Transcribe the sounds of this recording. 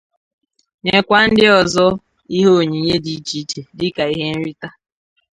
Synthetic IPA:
ɲe˨kʷa˦n̩˦dɪ˦ɔ˨zɔ˦ | i˦ɦe˦o˨ɲi˨ɲe˦di˦t͡ʃi˦t͡ʃe˨dɪ˦ka˨i˦ɦe˦n̩˦ɾi˦ta˦

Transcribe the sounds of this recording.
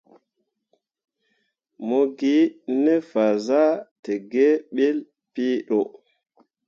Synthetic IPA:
mo˦ɡi˦nɛ˦fa˨za˦tɛ˨ɡɛ˦ɓɛ˦l | piː˦ɗɔ˨

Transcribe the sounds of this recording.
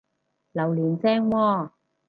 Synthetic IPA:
lɐ˨˩wliː˨˩nt͡sɛː˥ŋwɔː˧

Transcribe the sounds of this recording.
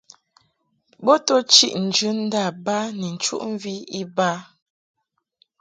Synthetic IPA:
bɔ˦tɔ˦t͡ʃi˦ʔn̩˨d͡ʒʉ˦n̩˦da˦˨ba˦ni˨n̩˨t͡ʃṵ˦ʔɱ̩˦vi˦i˦ba˦

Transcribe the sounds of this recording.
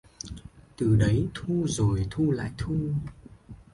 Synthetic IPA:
t̪ɨ˨˩ɗə˨˦jt̪ʰu˧zo˨˩jt̪ʰu˧la̰ː˧˨jt̪ʰu˧

